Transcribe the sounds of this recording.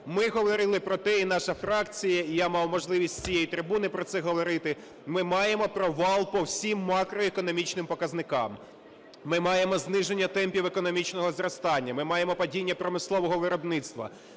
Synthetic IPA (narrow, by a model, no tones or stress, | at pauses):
mɪɦɔʋɔɾɪlˠɪpɾɔt̪ɛin̪ɑʃɐfɾɑkt͡sʲijɐijamɑwmɔʒlˠɪʋʲisʲtʲt͡sʲijejit̪ɾɪbunɪpɾɔt̪sɛɦɔʋɔɾɪt̪ɪ | mɪmɑjemɔpɾɔʋɑlˠpɔwsʲimːɑkɾɔekɔnɔmʲit͡ʃnɪmpɔkɐznɪkɑmː | ɪmɑjemɔznɪʒenʲːɐt̪ɛmʲpʲiwekɔnɔmʲit͡ʃn̪ɔɦɔzrɔst̪ɑnʲːɐmɪmɑjemɔpɐdʲinʲːɐpɾɔmɪslˠɔʋɔɦɔʋɪɾɔbnɪt̪st̪ʋɐ̰